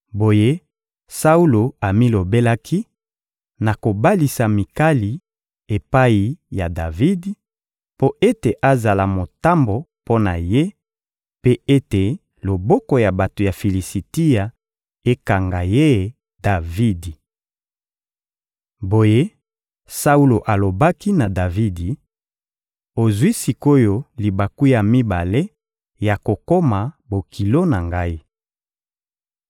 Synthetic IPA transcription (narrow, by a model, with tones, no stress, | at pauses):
bo˨je˦ | sa˦u˦lo˨a˨mi˦lo˨be˦la˦kʰi˦ | na˨ko˨ba˦li˨sa˨mi˨ka˦li˨ | e˨pa˦i˨ja˨da˨vi˦d | po˦ʔe˦te˨ʔa˦za˨la˨mo˨ta˦mbo˨po˦na̰˨je˦ | pe˦e˦te˨ | lo˨bɔ˦ko˨ja˨ba˨to˨ja˨fi˨li˨si˨ti˦ja˨ | e˦ka˨ŋɡa˨je˦˨ | da˨vi˦di˨ | bo˨je˦ | sa˦u˦lo˨ʔa˨lo˨ba˦ki˦na˨da˨vi˦di˨ | o˨zwi˦si˨ko˦jo˦li˨ba˨ku˦ja˨mi˦ba˨le˦ | ja˨ko˨ko˦ma˨ | bo˨kʰi˨lo˦na˨ŋɡa˦i˦